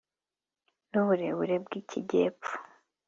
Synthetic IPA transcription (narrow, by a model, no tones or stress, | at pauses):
nuβuɾe̞βuɾebɡiciɟe̞ːpfu̥